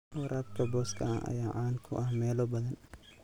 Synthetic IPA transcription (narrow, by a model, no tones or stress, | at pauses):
wɐɾʔaːbkʰɐbɔːskʰɐ̰ɐʔɐ̰jaːʕaːŋkʰʊ̰ʔɐhmɛːlɔbɐðɐn